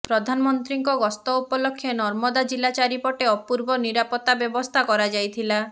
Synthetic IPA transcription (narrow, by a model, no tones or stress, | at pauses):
pɾɔd̪ʱanɔmɔnt̪ɾiŋkɔɡɔst̪ɔupɔlɔkʰːjɔnɔɾmɔd̪ad͡ʒilat͡ʃaɾipɔʈeɔpuɾbɔniɾapɔt̪ːabjɔbɔst̪ʰakɔɾad͡ʒajt̪ʰila